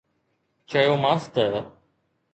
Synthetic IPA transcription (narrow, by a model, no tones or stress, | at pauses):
t͡ʃəjoːmãːst̪ə